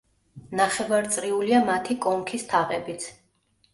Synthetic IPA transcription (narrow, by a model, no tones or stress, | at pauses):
naχɛvaɾt̪sʼɾiuliamat̪ʰikʼɔŋkʰist̪ʰaʁɛbit̪sʰ